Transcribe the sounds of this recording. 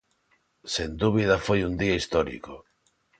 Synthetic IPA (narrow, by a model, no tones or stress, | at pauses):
send̪uβ̞iðafojund̪iaist̪ɔɾḭko